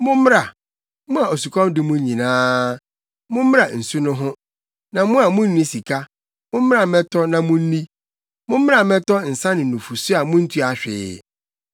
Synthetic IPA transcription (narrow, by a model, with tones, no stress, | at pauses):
mʊ̃˦m˦ɾa˨ | mʊ̃˦a˨o˨su˨kʰɔ̃˦mdɪ˦mʊ̃˦ɲ˦ɲĩ˨nãː˦ | mʊ̃˦m˦a˨n̩˨su˦nʊ̃˦ɦʊ̃˦ | nã˨mʊ̃˦a˨mʊ̃˦n˦nĩ˦si˨kʰa˦ | mʊ̃˦m˦m˦ɾa˨mɛ̃˦tʰɔ˦nã˨mʊ̃˦n̩˦nĩ˦ | mʊ̃˦m˦m˦a˨mɛ̃˦tɔ˦n̩˨sã˦nɪ̃˨nũ˨fu˨sʊ˦a˨mʊ̃˦n̩˦tʰu˦a˨ɕᶣɪ̰ː˨